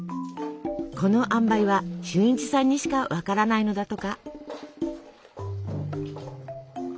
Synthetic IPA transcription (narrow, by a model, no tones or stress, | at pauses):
kʰo̞no̞ʔãmbaiβaɕɨːĩɲt͡ɕi̥sãɲ̟ːiɕi̥kaβakaɾanaino̞d̪at̪o̞ka